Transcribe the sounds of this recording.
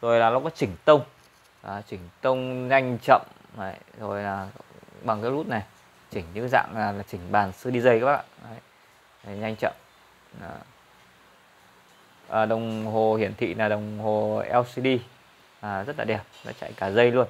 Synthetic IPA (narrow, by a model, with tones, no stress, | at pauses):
zo˨˩jlaː˨˩lɔ˨˦kɔ˨˦t͡ɕï˧˩˦ŋ̟t̪ə˧wŋ͡m | ʔəː˨˩t͡ɕï˧˩ŋ̟t̪ə˧wŋ͡mɲa˧jŋ̟t͡ɕə̰˧˨m | ə˨˧˦jzo˨˩jlaː˨˩ɓa˨˩ŋkaː˨˦jlu˦˥t̚na˨˩j | t͡ɕï˧˩ŋ̟ɲɨ̰˧˥za̰ː˧˨ŋaː˨˩laː˨˩t͡ɕï˧˩ŋ̟ɓaː˨˩nsɨ˧ɗi˧zə˧jkaː˨˧˦a̰ː˧˨˧ə˧˦j | ɲa˧jŋ̟t͡ɕə̰˧˨mː˨˩ | ʔːɗə˨˩wŋ͡mɦo˨˩hi˧˩ənt̪ʰḭ˧˨naː˨˩ɗə˨˩wŋ͡mho˨˩ʔɛ˧wsi˧ɗi˧ | ʔaː˨˩zə˦˥t̚laː˨˩ɛ˨˩əp̚zɔ̰˧˥t͡ɕa̰˧˨jkaː˧˩zə˧jlu˧ən